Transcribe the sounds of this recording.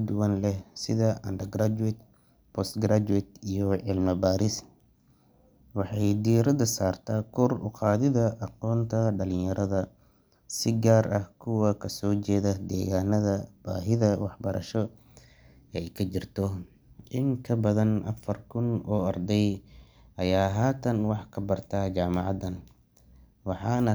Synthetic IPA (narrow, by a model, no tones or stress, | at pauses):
d̪ʊwɐnlɛhsɪðɐʔɐ̰nd̪ɐɡɾad͡ʒuɪt̪ | pʰɔst̪ɡɾad͡ʒuɛt̪ijɔʕɪlmɐbaːɾɪs | wɑħɑjd̪iɾɐd̪ɐsaːrt̪ʰaːkʰɔrʊ̰qɑːðɪðɐʔɑqɔːnt̪ʰɐɖɐlɪɲjɐɾɐðɐ | sɪɡaːrʔɐhkʰʊwɐkʰɐsɔːt͡ʃɛːðɐd̪ɛːɣaːnɐðɐb̥a̰ːɦɪðɐwɑħbɐɾʔɐ̰ʃɔ | ɛjkʰɐt͡ʃɪrt̪ʰɔ | ʔɪŋkʰɐbɐðɐnʔɐ̰fɐrkʰʊnɔːɐrd̪ɛj | ʔɐjaːɦaːt̪ʰɐnwɑħkʰɐbɐrt̪ʰat͡ʃaːmɑʕɑd̪ɐn | wɑħɑːnɐ